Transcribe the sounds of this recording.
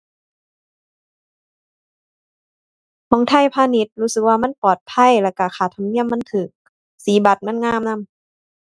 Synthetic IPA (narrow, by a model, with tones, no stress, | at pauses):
mɔː˧˦ŋt̪ʰa˧˥˨jpʰaː˧˨ni˧˦t̪̚huː˧˥sɯ˨˩k̚waː˧ma˧˥˨npɔː˨˩t̪̚pʰa˧˥˨jla˧˩ka˧˩kʰaː˨˩t̪ʰa˧mni˧˩əmːa˧˥˨nt̪ʰɯː˨˩k̚ | siː˨˦ba˨˧˦t̪̚ma˧˥˨nŋaː˧˨mna˧˥˨m